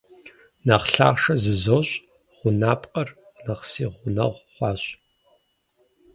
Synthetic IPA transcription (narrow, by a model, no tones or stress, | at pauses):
naχɬa̰ːʁʂɐzɨzoɕʼ | ʁ̥ʷʊnaːpʼqʼɐr | nɐqsiːʁʷʊnɐ̰ʁʷχʷɑːɕʼ